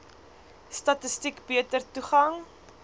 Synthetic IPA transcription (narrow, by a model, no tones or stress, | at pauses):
stɐtəstikbiətərtuχɐŋ